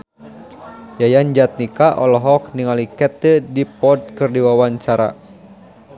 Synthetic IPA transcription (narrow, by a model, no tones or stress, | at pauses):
jajand͡ʒat̪̚nikaʔɔ̰lɔɦɔk̚niŋalikɛt̪ədipɔd̚kɨrdiwawaɲt͡ʃaɾa̰